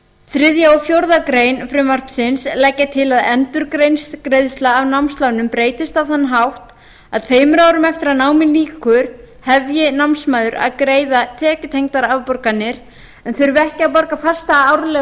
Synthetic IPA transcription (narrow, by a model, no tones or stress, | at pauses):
θɾɪðjaɔfjowɾðakɾejnfɾɪmar̥psɪnslɛcːat̪ʰɪlaðɛnt̪ʏɾkɾejnskɾejðst̪laːvnawmst̪laːwnʏmpɾeːjt̪ɪst̪avθanːaɦawht̪ | a̰ðt̪ʰveːjmʏɾaːwɾʏmɛft̪ɪɾaðnaːwmɪnliːkʏɾ̥ | hɛvjɪnawmnsmaːðʏɾa̰ðkɾeːjðat̪ʰɛːcʏt̪ʰejŋkt̪aɾavpɔɾkanːɪɾ̥ | ɛnθœɾvɛhcɪapɔɾkafḁst̪aawɾlɛ